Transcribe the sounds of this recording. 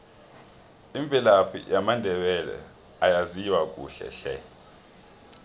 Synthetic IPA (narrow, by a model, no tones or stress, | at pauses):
iɱb̪vʱilapʰḭjamandʱɛɓɛlɛ̰ | ajaziwak̬ʼṵːɬɛ̰ɬɛ̰